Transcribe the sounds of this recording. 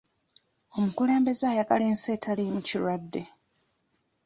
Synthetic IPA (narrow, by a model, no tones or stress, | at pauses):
o̞mukule̞ːmbe̞zaːjaɡaleːnse̞ːtʰalimuciɾwadːe̞